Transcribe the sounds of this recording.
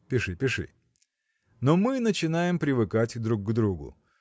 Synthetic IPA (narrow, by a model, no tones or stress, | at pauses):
pʲɪʂɨpʲɪʂɨ̰ | nomɨnət͡ɕɪnajɪmpɾʲɪvɨkatʲd̪ɾukɡd̪ɾuɡʊ̰